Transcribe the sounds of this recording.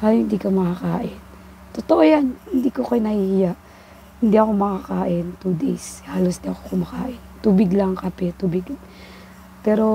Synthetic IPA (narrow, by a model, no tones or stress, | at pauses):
haohɪnd̪iːkɐmɐkakaːʔɪn | t̪ot̪oʔojanhɪnd̪iːkokɐjnɐhiːjaʔ | hɪnd̪iʔɐko̞mɐkakaːʔɪnt̪ud̪ejshaːlosd̪iʔɐkokomɐka̰ːʔɪnt̪uːbɪɡlaŋkɐpɛt̪uːbɪɡ | pɛːɾo̞